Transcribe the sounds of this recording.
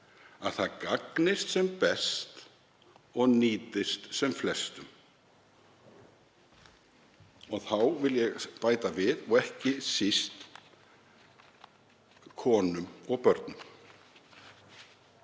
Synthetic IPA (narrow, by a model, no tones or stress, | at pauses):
aðθaðkaknɪst̪sɛmpɛst̪ | ɔɣniːt̪ɪst̪sɛmflɛst̪ʏm | ɔɣθawvɪljɛɣpaːjt̪avɪðɔɣɛhcɪsist̪ | kʰɔːnʏmɔɣpœɾt̪̚nʏm